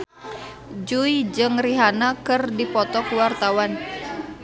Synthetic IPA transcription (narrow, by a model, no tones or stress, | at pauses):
d͡ʒuid͡ʒɨŋriɦanakɨrdipɔt̪ɔkuwart̪awan